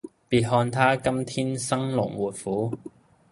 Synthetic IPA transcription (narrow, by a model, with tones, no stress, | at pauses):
piː˧t̚ɦɔː˧nt̪ʰaː˥kɐ˥mt̪ʰiː˥nsɐ˥ŋlʊ̰˨˩ŋwuː˨t̚fuː˨˥